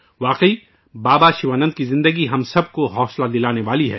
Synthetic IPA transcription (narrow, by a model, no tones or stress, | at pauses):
ʋaːqiː | baːbaʃiʋaːnə̃nd̪̚kizɪ̃nd̪əɡiɦɐmsɐb̚koɦɔːslad̪ɪlaːneʋaːliɦɛ̰ː